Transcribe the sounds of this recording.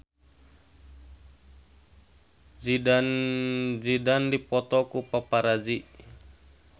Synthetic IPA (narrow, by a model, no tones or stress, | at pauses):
d͡ʒidand͡ʒidandipɔt̪ɔkupapaɾad͡ʒi